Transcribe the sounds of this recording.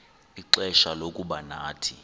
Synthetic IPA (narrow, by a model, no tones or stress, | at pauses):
iǃɛʃalokʼuɓanaːtʰi